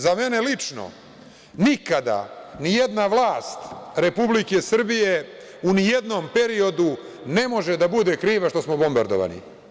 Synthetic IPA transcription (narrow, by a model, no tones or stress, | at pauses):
zame̞ne̞lit͡ʂno̰ | nikad̪a̰nijed̪naʋlˠaːst̪ɾe̞publike̞sr̩bije̞ | unijed̪no̞mpe̞ɾio̞d̪u | ne̞mo̞ʒed̪abud̪e̞kɾiːʋaʃt̪o̞smo̞bo̞mbaɾd̪o̰ʋa̰nḭ